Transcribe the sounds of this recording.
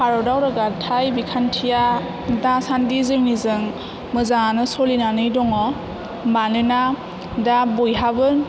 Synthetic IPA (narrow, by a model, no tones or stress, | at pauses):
kʰaɾɔdawɾɯɡatʰajbikʰantʰija | dasandizɯŋnizɯŋ | mɯzaŋanɯsɔlinanɯjdɔŋɔ | manɯna | dabɔjɦabɯn